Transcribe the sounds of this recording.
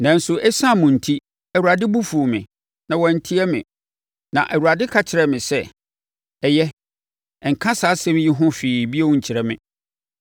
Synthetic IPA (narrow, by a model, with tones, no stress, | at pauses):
nã˨n̩˦sʊ˨ʔɛ˦sã˦˨mʊ̃˨n̩˨tʰi˦ | ɛ˨wu˨ɾa˨dɪ˦bu˦fu˨mɪ̃˨ | nã˨wɔ˨n̩˨tʰi˦ɛ˦mɪ̰̃˨ | nã̰˨ʔɛ˨wu˨ɾa˨dɪ˦kʰa˨t͡ɕʰɪ˨ɾɛ˨mɪ̃˨sɛ˦ | ɛ˨jɛ˦ | ɛ˨ŋ̩˨kʰã˦saː˨˦sɛ̃˦m˦jɪ˦ɦʊ̃˦fiː˨bi˦ẽ˦˨ɲ̩˨t͡ɕʰɪ˨ɾɛ˦mɪ̰̃˨